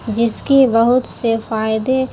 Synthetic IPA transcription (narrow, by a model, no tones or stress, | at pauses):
d͡ʒɪskibɐɦʊt̪sefaːɪd̪e